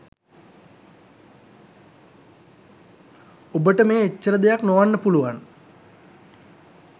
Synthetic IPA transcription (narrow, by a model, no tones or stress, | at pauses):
obəʈəmeːet͡ʃːəɾəd̪ejaknoʋanːəpuluʋan